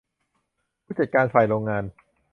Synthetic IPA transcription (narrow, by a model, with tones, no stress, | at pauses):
pʰuː˥˩t͡ɕa˨˩kaː˧nsaː˨˩jɾoː˧ŋːaː˧n